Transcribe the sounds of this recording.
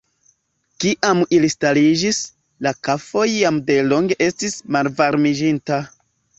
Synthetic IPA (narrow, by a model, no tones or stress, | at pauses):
kiʔamilistalid͡ʒis | lakafo̞jːamde̞lo̞ŋɡe̞ʔe̞stismalvaɾmid͡ʒinta